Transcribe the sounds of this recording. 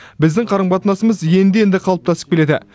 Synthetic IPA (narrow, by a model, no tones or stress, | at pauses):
bɪzd̪ɪŋqʰɑɾəɴbɑt̪ənɑsəməzje̞nd̪ee̞nd̪ɪqʰɑlˠəp̚t̪ʰɑsə̥p̚kʲele̞d̪ɪ̰